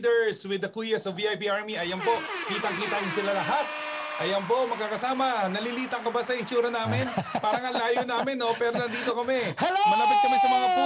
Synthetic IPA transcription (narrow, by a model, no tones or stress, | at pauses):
d̪ɛɹswɪd̪ɐkuːjɐsɐviːajpiːʔaɹmiɐjɐmpo̞ʔkiːt̪ɐŋkiːt̪ajʊŋsɪlalɐɦat̪̚ | ʔɐjɐmp̬o̞mɐɡkakɐsaːmɐnɐliliːt̪ɐŋkɐbasɐʔɪt͡ʃuːɾɐnaːmɪnpaːɾɐŋɐŋlaːjonaːmɪnːo̞pɛːɾonɐnd̪iːt̪o̞kɐmɛmɐnɐmɪt̪̚kɐmɛsɐmɐŋapː